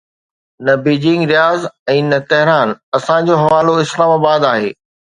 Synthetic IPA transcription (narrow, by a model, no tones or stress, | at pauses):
nɐbiːd͡ʑɪ̃ŋɡɾijaːzɛ̃ːnɐt̪ɐɦɪɾaːnɐsãd͡ʑoːɦɐʋaːloɪslaːmaːbaːd̪aːɦḛː